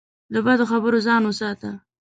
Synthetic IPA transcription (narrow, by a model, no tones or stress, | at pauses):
d̪əbad̪oxabəɾozɑnwəsɑt̪a